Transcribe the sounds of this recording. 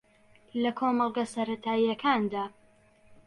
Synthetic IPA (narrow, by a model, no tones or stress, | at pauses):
lɐkʰoːmɑlˠɡɐsɐɾɐt̪ʰaːijɐkʰaːnd̪aː